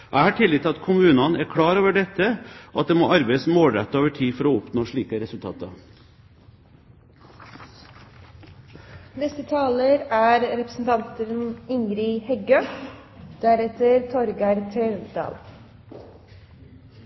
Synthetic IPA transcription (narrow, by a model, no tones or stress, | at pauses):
ʔæɪhɑːʈʰɪlːɪt̪ʰːɪɑt̪kʰʊmʉːnɑnæɾkʰɽɑːɾoːʋəɖɛt̪ːəɔɑt̪̚d̪eːmoːʔɑɾbeɪəsmoːlɾɛ̰t̪ːəoːʋəʈʰiːfɔɾoːʊpnoːʂɭiːkəɾɛsʉlt̪ʰɑ̰ːt̪ɑ | nɛst̪ət̪ʰɑːləɾæːɾɾɛpɾəsn̩t̪ʰɑnt̪ənɪŋɾɪhɛɡø | d̪̥æɾɛt̪əɾt̪ʰɔɾɡɑɾt̪ʰɾeːd̪ɑ̰ːl